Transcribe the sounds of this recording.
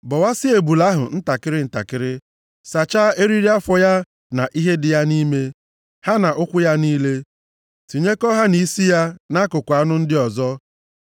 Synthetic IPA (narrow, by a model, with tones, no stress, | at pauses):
bɔ˨wa˦sɪ˦e˨bu˨la˦ɦʊ̰˨n̩˦ta˨kɪ˦ɾɪ˦n̩˨ta̰˨kɪ˦ɾɪ˦ | sa˨t͡ʃaː˦e˦ɾi˦ɾi˦a˦fɔ˨ja˦ | na˨ʔi˦ɦe˦dɪ˨ja˦ni˦me˦ | ha˦na˨ʔʊ˦kʷʊ˦ja˦niː˦le˦ | ti˨ɲe˦kɔ˦ɦa˦ni˨˦si˦ja˦na˦kʊ˨kʷa˦nʊ˦n̩˦dɪ˦ɔ˨zɔ˦